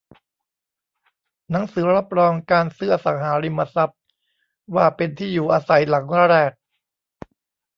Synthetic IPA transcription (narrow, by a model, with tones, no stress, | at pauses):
na˩˦ŋsɯː˩˦ɾa˦˥p̚ɾɔː˧ŋkaː˧nsɯː˦˥˩ɐ˧sa˩˦ŋɦaː˩˦ɾi˧mːa˧sa˦˥p̚ | waː˥˩pe˧nt̪ʰiː˥˩juː˨˩ʔaː˧sa˨˩˦jla˩˦ŋa˦˧ɾɛː˥˩k̚